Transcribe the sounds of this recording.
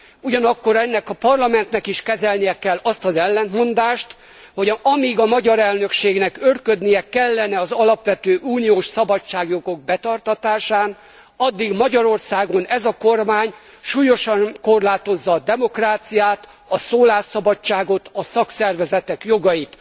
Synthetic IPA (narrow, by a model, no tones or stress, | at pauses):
uɟɒnɒkːo̞ɾɛnːɛkɒpɒrlɒmɛnt̪nɛkiʃkɛzɛlnijɛkɛlːɒst̪ɒzɛlːɛnmo̞nd̪aːʃt̪ | ho̞ɟɒmiɡɒmɒɟɒɾɛlnø̞kʃeːɡnɛkørkød̪nijɛkɛlːɛnɛɒzɒlɒpʋɛt̪øːʔuːnijoːʃsɒbɒt͡ʃːaːɡjo̞ɡo̞ɡ̚bɛt̪ɒrt̪ɒt̪aːʃaːn | ɒd̪ːiɡmɒɟɒɾo̞rsaːɡo̞nɛzɒko̞rmaːɲ | ʃuːjo̞ʃɒŋko̞rlaːt̪o̞zːɒːd̪ɛmo̞kraːt̪sijaːt̪ | ɒsoːlaːʃɒbɒt͡ʃt͡ʃːaːɡo̞t̪ɒsɒksɛrvɛzɛt̪ɛkjo̞ɡɒjit̪